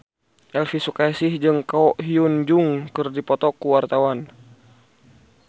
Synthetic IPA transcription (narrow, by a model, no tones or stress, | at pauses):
ʔɛlfisukaisihd͡ʒɨŋkaɔʔɦiund͡ʒuŋkɨrdipɔt̪ɔkuwart̪awan